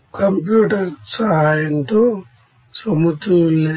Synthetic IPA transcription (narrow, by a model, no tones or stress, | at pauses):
kɐmpjuːʈɐɾsɐɦaːjɐnt̪oː | sɐmut̪ulːe